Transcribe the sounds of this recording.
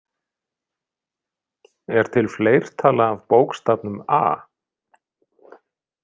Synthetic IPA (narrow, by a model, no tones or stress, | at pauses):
ɛɾ̥t̪ʰɪlfleːjɾ̥t̪ʰaːlaːvpoːwkst̪ap̚nʏma̰ː